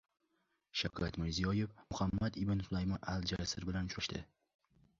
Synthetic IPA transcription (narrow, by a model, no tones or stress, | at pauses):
ʃakʰat̪mɪɾzijɒjefmʊhamːad̪ɪbɪnsʊlˠajmɒnalˠd͡ʒasɪɾbɪlanʃʊɾaʃt̪ɪ